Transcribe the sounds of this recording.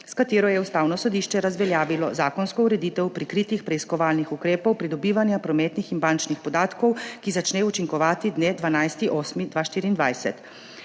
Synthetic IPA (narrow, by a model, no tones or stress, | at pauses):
skat̪eːɾɔjɛust̪aːwnɔsɔd̪iːʃt͡ʃɛɾazʋɛljaːʋilɔzaːkɔnskɔuɾɛd̪iːt̪ɛwpɾikɾiːt̪ixpɾɛiskɔʋaːlnixukɾeːpɔwpɾid̪ɔbiːʋanjapɾɔmɛt̪nixinbaːnt͡ʃnixpɔd̪aːt̪kɔwkizat͡ʃnɛːut͡ʃiŋkɔʋaːt̪id̪neːd̪ʋanajst̪iʔɔːsmid̪ʋaʃt̪iːɾiːnd̪ʋajsɛt̪